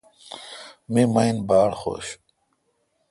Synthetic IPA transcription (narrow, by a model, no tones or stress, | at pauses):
mimɐjnbaːɽxo̰ːɕ